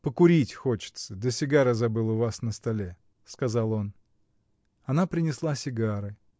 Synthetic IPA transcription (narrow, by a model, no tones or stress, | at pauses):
pəkʊɾʲitʲxo̞t͡ɕɪ̥t̪səd̪əsʲɪɡaɾəzɐbɨlˠəvasnəst̪ɐlʲe | skɐzalˠo̞n | ɐnapɾʲɪnʲɪslˠasʲɪɡaɾɨ